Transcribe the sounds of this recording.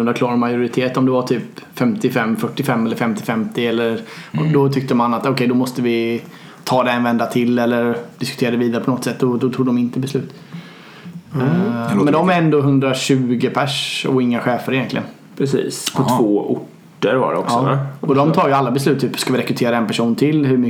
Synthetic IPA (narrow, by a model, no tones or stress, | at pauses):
nd̪aɾklɑːɾmajʊɾɪt̪ʰeːt̪ɔmd̪ɛvaʈ̪ʰyːpfɛmt̪ɪfɛmːfœʈːɪfɛmːɛlːəɾfɛmt̪ɪfɛmt̪ɪɛlːəɾd̪ɔt̪ʰʏk̚t̪əmanat̪ɔkʰɛjd̪ɔmɔst̪əvɪ | t̪ʰɑːd̪ɛɛnvɛnd̪at̪ʰɪlːɛlːəɾd̪̥ɪskɵ̥t̪eːɾad̪ɛviːd̪aɾəpʰɔnɔt̪ːsɛt̪ːd̪ɔd̪ɔt̪ʰuːɡd̪ɔmɪnt̪əbɛslʉ̟ːt̪ | mɛnd̪ɔmɾɛnd̪oːɦɵnd̪ɾaɕʉ̟ːɡəpʰæʂɔ̰ɪŋːaɧɛːfəɾɪjɛnt̪lɪ̰ɡə̰n | pʰɾɛsḭːspʰɔvoːʔʊʈː | əɾva̰ɾɛ̰ɔ̰kɑɔːɔd̪ɔmt̪ʰɑːɾjəalːabɛslʉ̟t̪ʰːyːpːskavɪɾɛkɾɵt̪ʰeːɾaɛnpæʂuːnt̪ʰɪlɦɵm